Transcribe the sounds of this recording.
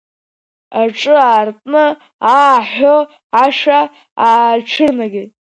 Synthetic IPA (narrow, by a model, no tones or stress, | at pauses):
aʈ͡ʂʼɨaːrtʼnɨ | aħʷo | aʂa | aːʈ͡ʂʰɨrnaɡʲɪ